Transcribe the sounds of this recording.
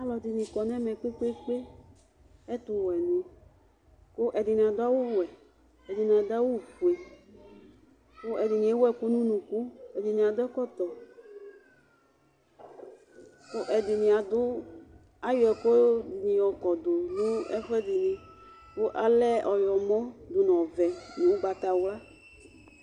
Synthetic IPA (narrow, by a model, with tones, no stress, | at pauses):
a˦lɔ˨d̪i˨nĩ˨kɔ˨nɛ̃˦mɛ˨k͡pe˦k͡pe˦k͡pe˦ | ɛ˦t̪ʊ˨wɛ˨nũ˦ | kʊ˦ʔɛ˨d̪i˨nĩ˨a˨d̪ʊ˦a˦wo˦˨wɛ˨ | ɛ˨di˨nĩ˨a˨d̪a˦wo˦˨ku˨e˨ | kʊ˦ʔɛ˨d̪i˨nĩ˨e˦wɛ˦ku˦nũ˦nũ˨ku˦ɛ˨d̪i˨nĩ˨a˨d̪ʊ˦ɛ˦kɔ˦t̪ɔ˨ | kʊ˦ʔɛ˨d̪ɪ˨nĩ˨a˨d̪ʊ˦ | a˦jɔ˨ɛ˨ko˦˨nĩ˨jɔ˨kɔ˨d̪ʊ˨nũ˦ɛ̰˦ɸɛ˦d̪ɪ˨nĩ˨ | kʊ˦ʔa˦lɛ˦ɔ˨jɔ˨mɔ̃˦d̪ʊ˨n˨ɔ̃˨vɛ˨nũ˨wba˨t̪a˨wla˦